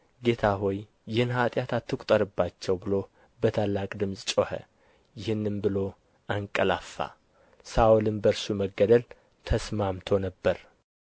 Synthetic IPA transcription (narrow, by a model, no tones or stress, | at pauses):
ɡe̞t̪ʰaɦojː | ɪhɨnɦat̪ʼjat̪ʰat̪ːɨkʷʼt̪ʼəɾɨbːat͡ʃːɛwbɨlo̞ | bət̪ʰalːakʼd̪ɨmsʼt͡ʃʼohə̰ | jɪhɨnːɨnbɨlo̞ | ʔaŋkʼəlafːa̰ | saolɨnbəɾsuməɡəd̪əl | t̪ʰəsmamt̪ʰo̞nəbːəɾ